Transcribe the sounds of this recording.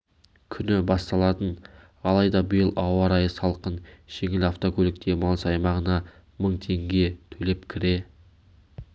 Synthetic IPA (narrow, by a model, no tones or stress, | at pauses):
kʲʰʏnɪbɑst̪ɑlˠɑt̪ən | ɑlˠɑjd̪ɑbəjəlˠɑwɑɾɑjəsɑlˠqənʒ̥e̞ŋɪlaft̪o̞kʲʰɵlɪk̚t̪e̞mɑlˠəsɑjmɑʁənɑ | məɴt̪ʰe̞ŋɡʲe̞t̪ʰɵle̞pkʲʰɪɾe̞